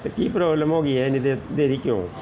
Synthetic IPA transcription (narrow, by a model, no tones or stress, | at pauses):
t̪eːkiːpɾɔːbləmɦoːɡiːɛɪnĩd̪ed̪eːɾiːkjõ̰ː